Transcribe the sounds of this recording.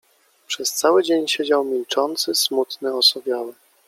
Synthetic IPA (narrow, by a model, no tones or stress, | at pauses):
pʂɛst̪sawɘd͡ʑeɲɕed͡ʑawmʲilt͡ʂɔnt̪sɘsmut̪nɘɔsɔbʲjawɛ